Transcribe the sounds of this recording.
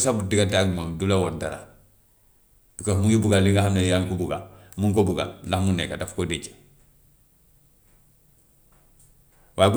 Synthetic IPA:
sabudiɡataɡmaŋdulawodaɾa̰ | b̥ikosmuŋibuɡaliŋɡahamnajaŋkubuɡamuŋkobuɡa̰nlahmunḛkadafkodit͡ʃḁ | waːjɡu

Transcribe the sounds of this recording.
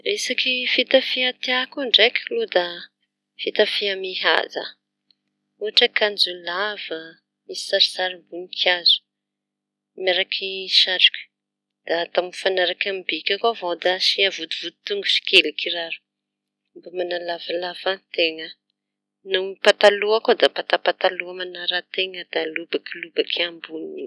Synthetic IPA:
isakifit̪afiat̪iakuɳɖ͡ʐekʲlud̪a | fit̪afiamiɦa̰za̰ | uɦaʈ͡ʂəkand͡zulavə | ii̥saɾisaɾimbuŋikʰazu̥ | maɾakʰiʃaʈ͡ʂu̥kʲu̥ | d̪̥at̪aminfanaɾakʲambikʲakovod̪aʃiavud̪uvud̪i̥t̪uŋɡusi̥kelikiraɾu̥ | mbamanalavalavat̪eŋə | nupat̪aluakod̪apat̪apat̪aluamanaɾat̪eŋəd̪̥alubakilubakʰambunii

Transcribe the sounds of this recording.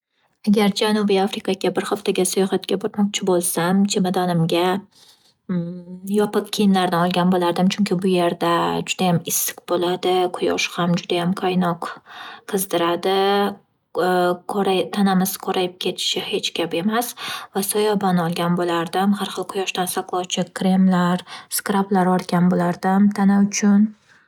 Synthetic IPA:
aɡʲaɾd͡ʒanubiafɾikʰɑɡʲabɪɾχaft̪ʰaɡʲasʊjɒχat̪ɡʲabʊɾmɒq̚t͡ʃʰɪbolˠsamt͡ʃʰemad̪ɒnɪmɡʲa | jɒpɨq̚kʲʰijɪnlaɾd̪ɪɒlˠɡʲanbolaɾd̪ɪmt͡ʃʰʊŋʲkʲɪbʊje̞ɾd̪ad͡ʒʊd̪ajamɪsːɪ̥kbolad̪ɪqʰʊjɒʃhamd͡ʒʊd̪ajamkʰajnɒqqʰːɨzd̪ɪɾad̪ɪ | ɾat̪ʰanamɪz̥kʰoɾʔajɪp̚kʲʰe̞t̪ʰɪ̥ʃɪhe̞t͡ʃkʲʰape̞masvasɒjɒbanɒlˠɡʲanbolaɾd̪ɪmhaɾχɨlˠqʰʊjɒʃt̪ansaqlˠɒwt͡ʃʰɪkʰɾemlaɾskɾaplaɾɒɾɡʲanbolaɾd̪ɪmt̪ʰanaʊt͡ʃʰʊn

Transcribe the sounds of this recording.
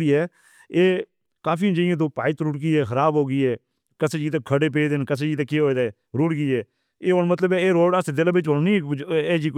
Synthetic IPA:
iːɦɛː | eː | kaːfiːd͡ʒəɪẽːt̪̬oːpaːɪt̪ɾʊʈɡiːɛːxəɾaːbɦoːɡiːɦɛː | kəseːd͡ʒiːt̪̬ekʰəɽeːp̬eːd̪enkəs̬eːd͡ʒiːt̪eːkeːɦoːeːd̪aːɛː | ɾʊʈɡiːɦɛː | eːɦoːnmət̪ləbɛːeːɾoːɖəsd̪ɪlbɪt͡ʃɦoːɳniːeːd͡ʒiː

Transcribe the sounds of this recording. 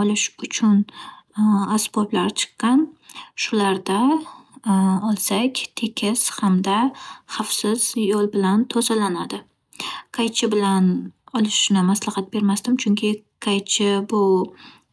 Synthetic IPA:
ɒlɪʃʊt͡ʃʰʊn | asboblaɾt͡ʃʰɨ̥qːɑnʃʊlaɾd̪a | ɒlˠsakʲt̪ʰe̞kʲʰɪshamd̪aχafsɪz̥jolˠbɪlant̪ʰozalanad̪ɪ | kʰajt͡ʃʰɪbɪlanɒlɪʃnɪmaslahɑt̪̚be̞ɾmasd̪ɪmt͡ʃʰʊŋkʲʰɪkʰajt͡ʃʰɪbʊ

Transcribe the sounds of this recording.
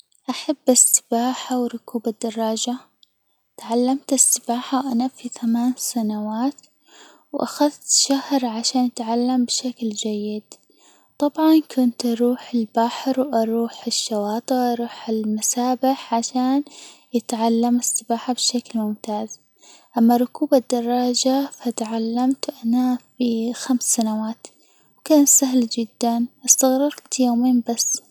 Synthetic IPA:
ʔaħabːɪsːɪ̥baːħawɾˤʊkuːbad̪ːɑrˤːɑːd͡ʒa | t̪ʕalːamt̪ɪsːɪbaːħawʔanafiθamaːnsanawaːt̪ | wʔa̰xaðt̪ʃahɾʕaʃaːnjɪt̪ʕalːambɪʃakld͡ʒajːɪd̪ | t̪ˤɑbʕɑnkʰʊnt̪ʔɑɾˤuːħɪlbaħɾwʔɑɾˤuːħɪʃːawɑːt̪ˤɨʔɑɾˤuːħɪlmasaːbɪħʕaʃaːn | jɪt̪ʕalːamɪsˤːɑbaːħabɪʃaklmʊmt̪aːz | ʔamːaɾˤʊkuːbad̪ːɑrˤːɑːd͡ʒafat̪ʕalːamt̪ʔanafixamsːanawaːt̪ | wkaːnsaɦld͡ʒɪd̪ːanʔast̪aɣɾɑɾt̪joːmiːmbasː

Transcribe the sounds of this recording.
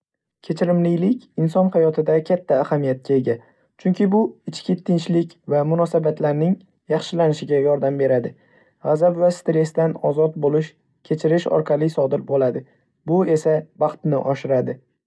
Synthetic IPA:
kʲʰe̞t͡ʃʰɪɾɪmlɪlɪkʲɪnsɒnhajɒt̪ʰɪd̪akʲʰat̪ʰːaːhamijat̪̚kʲʰae̞ɡʲa | t͡ʃʰʊŋkʲʰɪbʊɪt͡ʃkʲɪt̪ʰɪnt͡ʃlɪkʲvamʊnɒsabat̪ʰlaɾnɪŋ | jɑχʃɪlanɪʃɪɡʲajɒɾd̪ambe̞ɾad̪ɪ | ʁazabvast̪ɾe̞st̪anɒzɒt̪̚bolɪʃ | kʲʰe̞t͡ʃʰɪɾɪʃɒ̰ɾqʰɑlˠɪsɒd̪ɪɾbolad̪ɪ | bʊe̞sabɑχt̪nɪʔɒʃɪɾad̪ɪ

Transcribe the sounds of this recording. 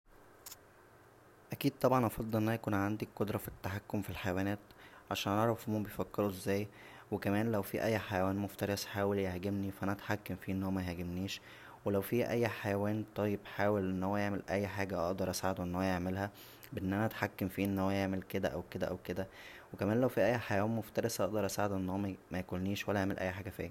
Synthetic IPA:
ʔækiːd̪̚t̪ˤɑbʕɑnʔɑfɑd̪ˤːelʔenːʔænæækuːnʕand̪iqːod̪ɾˤɑfit̪ːaħakːomfilħajæwænæːt̪ʕaʃæːnʔɑʕɾˤɑfʔemuːbejfækːeɾoezːæːj | wekæmæːnlæwfiʔæjːħajæwæːnmoft̪ɑɾˤesħaːweljehɡemnifæʔænæʔæt̪ħakːæmfiːʔenːhowæmæhæɡebniːʃ | welæwfiːʔæjːħajæwæːnt̪ˤɑjːebħaːwelʔenːhowːæjeʕmelʔæjːħaːɡæʔɑ̰ʔd̪ˤɑɾˤʔæsaʕed̪oʔenːhowæjeʕmelhæ | beʔenːʔænæʔæt̪ħakːemfiːʔenːhowːæjeʕmelked̪æ̰ʔæwked̪æʔæwked̪æwekæmæːnlæwfiʔæjːħajæwæːnmoft̪ɑɾˤesʔɑ̰ʔd̪ɑɾˤʔæsaʕed̪oʔenːhoːmæmæjækolniːʃwælːæʔeʕmelʔæ̰jːħaːɡæfḭː

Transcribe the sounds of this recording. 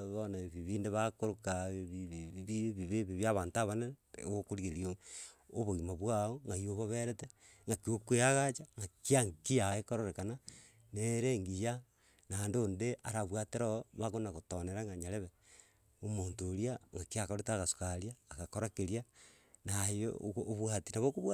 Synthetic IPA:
βonaβiβiːndeβakoɾokaβiββiβiβeβiβjaβaːntaβanḛokoɾiɣeeɾiooβoɣimaβwaoŋɡajoβaβeɾete | ŋɡakiokweaɣat͡ʃaŋɡakiaŋkijaekoɾoɾekana | neɾeŋɡija | naːndoːndeʔaɾaβwateɾoβakonaɣotoneɾaŋɡaɲaleβe | omoːntoːɾiaŋɡakiakoɾetaɣasu̥kaljaːkakoɾakeɾja | najoβwatinaβokoβwa

